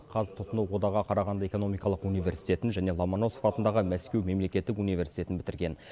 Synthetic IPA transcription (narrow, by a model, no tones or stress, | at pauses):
qʰɑzt̪ʰʊt̪ənuwwo̞d̪ɑʁɑqʰɑɾɑʁɑnd̪əe̞ko̞no̞mijkɑlˠəqunijvʲe̞ɾsijt̪e̞t̪ɪnʒæne̞lˠɑmono̞so̥fɑt̪ənd̪ɑʁəmæskʲewme̞mle̞kʲe̞t̪ːɪkunijve̞ɾsijt̪e̞t̪ɪnbɪt̪ɪɾɡʲe̞n